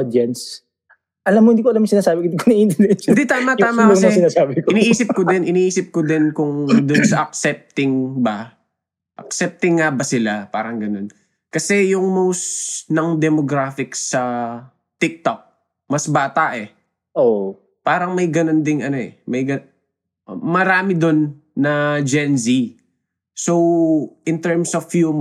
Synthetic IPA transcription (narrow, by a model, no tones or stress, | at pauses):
d̪jɛns | ʔɐlamːohɪd̪iːkoɐlamɪŋsɪnaːsaːbɪkond̪ikonɐʔint̪ɛɾnɛt̪t͡ʃ̪d̪it̪aːmɐt̪aːmɐsɪnaːsaːbɪkɪniʔiːsɪp̚kod̪ɛnʔɪniːʔiːsɪp̚kod̪ɪnkʊŋd̪ʊnsɐʔɐk̚sɛp̚t̪ɪŋbɐ | ʔɐ̰k̚sɛp̚t̪ɪŋːabɐsɪlapa̰ːɾɐŋɡɐnon | kɐsɛjʊŋmowsnɐŋd̪ɛmoɡɾaːfɪkssɐ | t̪ɪk̚t̪ok̚ | mɐsbaːt̪aʔɛ | ʔoʔ | paːɾɐŋmɐjɡɐnond̪ɪŋɐno̞ʔɛmɐjɡɐ | mɐɾaːmɪd̪onː | ɐd͡ʒɛnsi | sowʔɪnt̪ɛɹmsɔfju